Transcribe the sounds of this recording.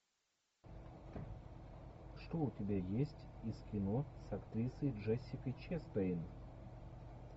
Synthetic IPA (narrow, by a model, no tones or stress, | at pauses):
ʂt̪oʊtʲɪbʲajesʲtʲiskʲɪnosɐkt̪ɾʲisəjʐɛsʲːɪkəjt͡ɕest̪ɐjn